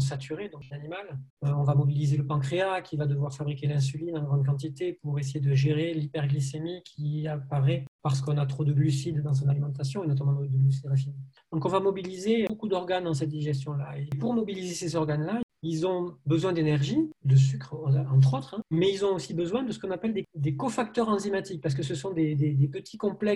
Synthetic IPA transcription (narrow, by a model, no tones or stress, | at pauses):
s̬at̪yʁed̪ɔ̃ŋklanimaløɔ̃vamɔbilizeləpɑ̃kχeakʰʲivad̪əvwaʁfabʁikʲelɛ̃s̬ylinɑ̃ɡʁɑ̃d̪̚kɑ̃t̪it̪epuʁes̬ejed̪əʒeʁelipɛʁɡlisemikʲʰiapaʁɛpaʁs̬ə̥kɔ̃nat̪χod̪əɡlysid̪ːɑ̃s̬ɔ̃nalimɑ̃t̪asjɔ̃enɔt̪amɑ̃d̪əɡlys̬id̪ʁɛf̬inid̪̥ɔ̃kɔ̃vamɔbilizeokud̪ɔʁɡand̪ɑ̃sɛt̪̚d̪iʒɛs̬t̪jɔ̃laepuʁmɔbilizesezɔʁɡanla | ilzɔ̃bəzwɛ̃d̪enɛʁʒid̪əs̬ykχɑ̃t̪χot̪χɛ̃mɛilzɔ̃osibəzwɛ̃d̪əsəkɔ̃napɛld̪ed̪ekɔfak̚t̪œʁɑ̃zimat̪ik̚paʁsə̥kəsəsɔ̃d̪ed̪ed̪epət̪ʰi̥kɔ̃plɛ